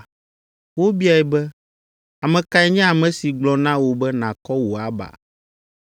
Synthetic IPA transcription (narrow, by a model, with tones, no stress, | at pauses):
wo˦bi˦a˨ɛ˨bɛ˦ | a˨mɛ̃˨ka˦ɛ˦ɲɛ̃˦a˨mɛ̃˨si˨ɡ͡blɔ˨nã˦wo˨bɛ˦nã˨kɔ˦wo˨a˨˦ba̰˨